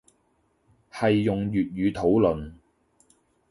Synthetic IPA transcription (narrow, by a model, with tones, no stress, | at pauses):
hɐ˨jːʊ˨ŋjyː˨t̚ɥyː˨˧t̪ʰo˨˥wlɵ˨n